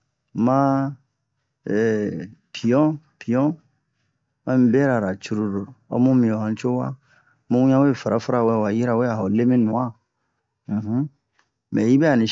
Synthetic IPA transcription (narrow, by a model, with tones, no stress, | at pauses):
mã˦˨ | pi˨ɔ̃˦pi˨ɔ̃˦ | mã˦mĩ˦bɛ˦ɾa˨ɾa˨t͡ʃu˦ɾu˨ɾo˨o̰˦mũ˦mĩ˨ɔ̃˨ã˨˦t͡ʃo˦wa˦ | mũ˦ũ˦ɲã˦we˦˨fa˨ɾa˦fa˦ɾa˨we˦˨wa˨ji˦ɾa˨we˦a˨o˨le˦mĩ˦nũ˨ã˦˨ | ɦ̩˦ | mɛ˨i˦bɛ˦a˨nĩ˨